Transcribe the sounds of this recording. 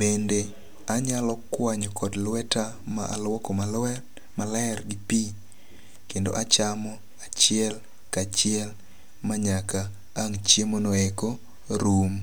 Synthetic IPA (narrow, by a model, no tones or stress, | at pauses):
bende | aɲalɔkwaɲɔkɔdlwɛta | ma̰ʔa̰lwɔkɔmalɛ | malaɛrɡipi | kendo̰ʔat͡ʃamɔ | at͡ʃɪɛl | kat͡ʃɪɛl | maɲakaː | ŋt͡ʃjemonɔekɔ | ɾum